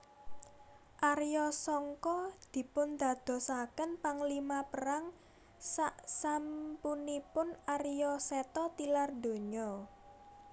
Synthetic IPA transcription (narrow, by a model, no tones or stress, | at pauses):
ʔarjɔsɔŋkɔd̪̥i̤pʊnd̪̥ä̤d̪̥ɔ̤sakənpaŋlimapəɾaŋ | saʔsampunipʊnarjɔsɛt̪ɔt̪ilard̪o̤ɲɔ